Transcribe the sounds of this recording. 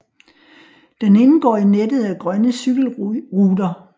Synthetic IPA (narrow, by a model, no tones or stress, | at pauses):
d̥ene̝nəɡ̥ɒ̰ːinedð̞̩ˠæɡ̥ʁɶnəsyɡ̥l̩ʁuːdɐ